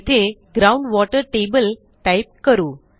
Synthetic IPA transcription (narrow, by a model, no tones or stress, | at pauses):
t̪ʰeɡɾaũɳɖʋɔʈəɾʈebəl | ʈajp̚kəɾuː